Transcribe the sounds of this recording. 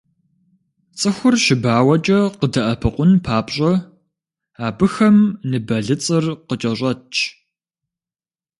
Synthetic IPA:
t͡sʼɨxʷʊrʃɪbaːwɐt͡ʃʼɐqədɐʔɐpʰɨqʷʊnpʰaːpɕʼɐ | aːbɨxɐmnɨbɐɮɨt͡sʼɨrqət͡ʃʼɐɕʷʼɐt͡ʃʰ

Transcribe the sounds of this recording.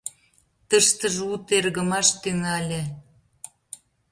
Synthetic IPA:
t̪əʃt̪əʒut̪erɣə̆mɑʃt̪yŋælʲĕ

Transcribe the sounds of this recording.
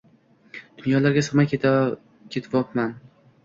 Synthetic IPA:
d̪̥ʊnjɒlaɾɡʲasoʁmak̪ʲʰ | kʲʰet̪ʰɪbɒpman

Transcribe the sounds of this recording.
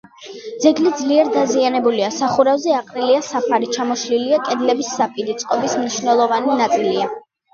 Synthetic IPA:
d̪zɛɡlid̪zliɛɾd̪azianɛbuliasaχuɾavzɛaqʼɾiliasapʰaɾit͡ʃʰamɔʃliliakʼɛd̪lɛbisːapʼiɾit̪sʼqʼɔbismniʃnɛlˠɔvaninat̪sʼilia

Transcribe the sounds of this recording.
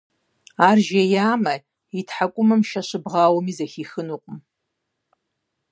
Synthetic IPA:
aːrʒejaːmɐ | itʰħakʷʼʊmɨmʃaʃʷɨbʁaːwɔmizaxʲixɨnuqʷʼʊm

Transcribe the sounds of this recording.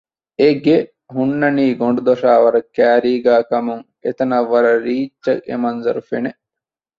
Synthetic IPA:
eɡe | ɦunːɐniːɡoɳɖud̪oʂaːʋɐɾɐkːæːɾiːɡæːkɐmuŋ | ḛt̪ɐnɐʋːɐɾɐɾiːt͡ʃːɐḛmɐnzɐɾufene

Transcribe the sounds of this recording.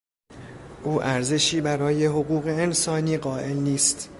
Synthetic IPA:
ʔuːʔæɾze̞ʃiːbæɾɒːje̞ɦoɣuːɣe̞ːnsɒːniːɢɒːʔe̞lniːst̪

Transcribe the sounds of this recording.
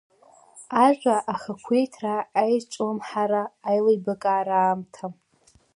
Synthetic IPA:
aʒʷaʔaχakʷʰejtʰraːjt͡ʃʷʼomħaɾaːjlajbakʼaːɾaːmtʰa

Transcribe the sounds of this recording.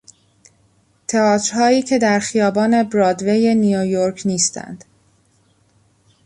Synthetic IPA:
t̪ʰe̞ɒːt̪ʰɾhɒːiːcʰe̞d̪æɾxijɒːbɒːne̞bɾɒːd̪veje̞nijojoɾcʰniːst̪ʰæ̰nd̪̥

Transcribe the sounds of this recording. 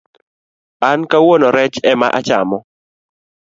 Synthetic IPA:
ankawonoɾɛt͡ʃɛma̰ʔat͡ʃamɔ

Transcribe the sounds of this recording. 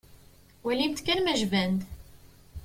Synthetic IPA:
wælimt̪kænmæʒvænd̪

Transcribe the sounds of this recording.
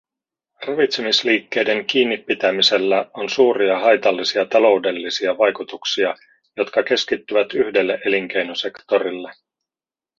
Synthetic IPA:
rɑʋit̪semisliːkːe̞jde̞ŋk̟iːnːipːit̪æmiselːæo̞nsuːɾiɑɦɑjt̪ɑlːisiɑt̪ɑlo̞wde̞lːisiɑʋɑjkut̪uksiɑ | jo̞t̪kɑk̟e̞skit̪ːyʋæt̪yhde̞lːeʔe̞liŋk̟e̞jno̞se̞kt̪o̞ɾilːe

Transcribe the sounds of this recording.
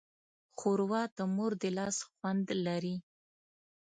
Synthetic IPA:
xoɾwɑd̪əmoɾd̪əlɑsxwand̪laɾi

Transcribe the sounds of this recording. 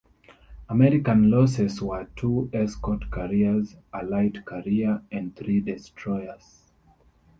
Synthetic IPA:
amɛɹikãnlɔsɛswə˞tʰuɛskɔtkʰaɹiəzʔalaɪtkʰaɹiəɛ̃ndθɹidɛstʰɹɔjəz̥

